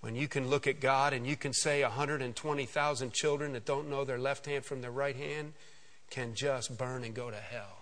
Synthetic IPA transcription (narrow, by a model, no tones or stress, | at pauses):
wɨ̰̃njɨkʰɨ̃nlʊkɨt̚ɡ̥ɑɾɨ̃njɨkʰɨ̃nseɪəɦʌ̃ndɹəɾɨ̃ntʰw̥ɛ̃ɾ̃iθaʊzɨ̃nt͡ʃʰɪlˠdɹɨ̃nðɨt̚d̥õʊ̃nːoʊðə˞lɛft̚hæ̃nd̥fɹʌ̃mðəɹaɪt̚hæ̃nd | kʰɨ̃nd͡ʒʌstb̥ɜ̃˞nɨ̃nɡoʊɾɨhɛlˠ